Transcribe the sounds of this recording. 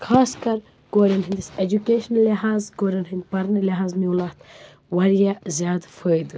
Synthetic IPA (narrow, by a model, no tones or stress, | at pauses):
kʰaːskɐɾ | ɡ̥oːɾɐnɦind̪ised͡ʒukeːʃnɐlːeɦaːzɡoːɾɐnɦɨnd̪pɐɾnɐɾleɦaːznuwlat̪ | wɐɾjazjaːd̪fəjd̪ɨ